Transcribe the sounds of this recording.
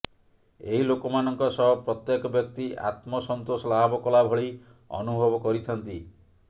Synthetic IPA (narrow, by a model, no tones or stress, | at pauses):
eɦilokɔmanɔŋkɔsɔɦɔpɾɔt̪jekɔbjɔk̚t̪ia̰t̪mɔsɔnt̪osɔlabɔkɔlabʱɔɭi | ɔ̰nubʱɔbɔkɔɾit̪ʰɔnt̪i